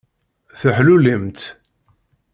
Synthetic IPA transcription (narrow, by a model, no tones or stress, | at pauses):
θəħlulimt̪